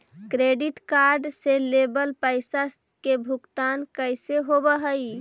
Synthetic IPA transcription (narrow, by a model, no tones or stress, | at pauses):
kɾeɖiʈkaɾɖselebəlpəɪsas | kebʱukt̪ankəjseɦobəɦəj